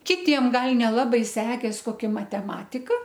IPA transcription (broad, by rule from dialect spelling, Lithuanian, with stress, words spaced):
kʲɪˈtʲiɛm ˈɡɐlˠ nʲɛˈlˠɑːbɐɪ ˈsʲæːkʲeːs koːˈkʲɛ mɐtʲɛˈmɑːtʲɪkɐ